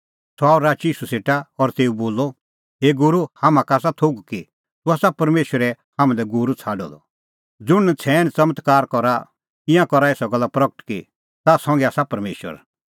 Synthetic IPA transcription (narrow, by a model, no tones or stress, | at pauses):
sʰaːuɾaːt͡ʃiːsuseːʈaɔɾt̪eːuboːlːɔ | ɦeːɡʊɾuhaːmãkaːsat̪ʰoɡki | t̪uaːsapɐɾmeːʃwəɾɛ | hãmãd̪ɛɡʊɾut͡sʰaːɖɔ̰d̪ɔ̰ | d͡zʊɽ̃t͡sʰɛːnt͡sɐmət̪kaːɾkɔɾa | ɪ̃jãkɔɾaeːsɔɡɐlːapɾɐkəʈki | t̪asɔ̃ŋɡɛaːsapɐɾmḛːʃə̰ɾ